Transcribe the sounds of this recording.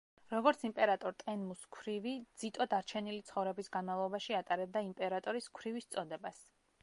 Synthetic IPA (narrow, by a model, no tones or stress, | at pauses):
ɾɔɡɔɾt̪sʰimpʼɛɾat̪ʼɔɾt̪ʼɛnmuskʰwɾivid̪z̥it̪ʼɔd̪aɾt͡ʃʰɛnilit̪sʰχɔvɾɛbisɡanmavlˠɔbaʃiat̪ʼaɾɛb̚d̪aimpʼɛɾat̪ʼɔɾiskʰwɾivist̪sʼɔd̪ɛbas